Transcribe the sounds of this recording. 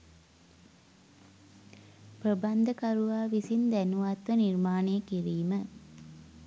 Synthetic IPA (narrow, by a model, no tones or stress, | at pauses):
pɾəband̪əkaɾuʋaːʋisind̪ænuʋat̪ʋənirmaːnejəkiɾiːmə